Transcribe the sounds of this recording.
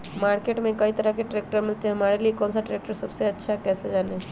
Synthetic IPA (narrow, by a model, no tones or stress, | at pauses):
maːɾkeʈmẽkəit̪əɾakeʈɾeːk̚ʈəɾmɪlt̪eɦɐmaːɾeliekɔːnsaʈɾeːk̚ʈəɾsəbseɐtːʃʰakɛsed͡ʒaːne